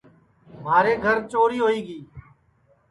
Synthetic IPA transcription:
maːɾeːɡʱəɾt͡ʃoːɾiːɦoːiːɡiː

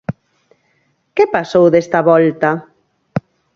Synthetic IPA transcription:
kepasowðest̪aβɔlt̪a

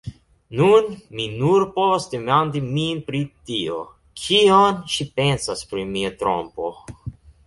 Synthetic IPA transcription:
nunminuɾpovasd̪emand̪iminpɾit̪io̰ | kʰionʃipensaspɾimiat̪ɾo̰mpo

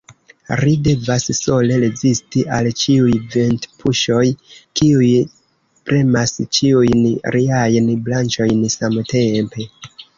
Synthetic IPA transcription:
ɾide̞vasso̞le̞ɾezistiʔalt͡ʃiujventpʰuʃo̞jkiuj | pɾe̞mast͡ʃiujnɾʔiajnblant͡ʃo̞jnsamte̞mpe̞

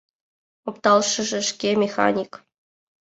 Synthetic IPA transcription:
opt̪ɑlˠʂɤ̆ʒɘ̆ʂkʲemʲexɑ̰nʲik

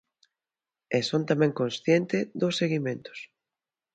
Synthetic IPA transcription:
esont̪amɛ̃ŋkonsθjent̪ɪðosːeɣimẽnt̪ʊ̥s

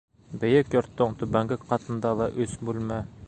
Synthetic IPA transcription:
bɘ̆jɘkjɒɾt̪ːoŋt̪ubæŋɡɘkqʰɑt̪ɤ̆nd̪ɑlˠɑʔʉsbulʲmæ

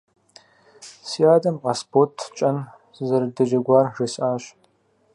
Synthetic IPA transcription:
sijaːdɐmʁɐspʰotʰt͡ʃʼɐn | zɐrdɐʒɐɡʷɑːrʒɨsʔaːɕ

